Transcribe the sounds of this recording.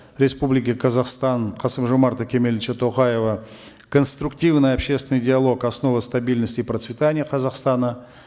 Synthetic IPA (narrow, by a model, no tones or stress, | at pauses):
ɾʲe̞spublʲɪkʲɪkʰɐzaχst̪ɑnqʰɑsəmʒomɑɾt̪əkʲʰe̞mʲelʲt͡ʃət̪ʰoχɑjevə | kʰonst̪ɾʊktʲivnɨjapɕe̞st̪vʲɪnɨjdʲɪalˠo̞kasno̞vəst̪abʲilʲnəsʲtʲɪprət̪svʲɪt̪anʲɪjəqʰɐzɑχst̪ɑnə